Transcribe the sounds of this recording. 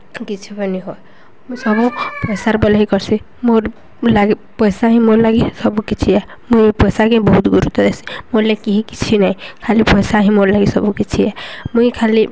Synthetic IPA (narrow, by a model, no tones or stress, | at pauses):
kit͡ʃʰipəniɦoe | musɔbupəsaɾbəlɦikɔɾsi | moɾ | laɡipəjsaɦĩmoɾlaɡisɔbũkit͡ʃʰiɛ | muipɔjsakẽbɔɦut̪ɡuɾut̪ɔd̪esi̥moɾlakiɦiki̥t͡ʃʰinaĩkʰalipɔjsaɦĩmoɾlaɡisɔbukit͡ʃʰiɛmuikʰali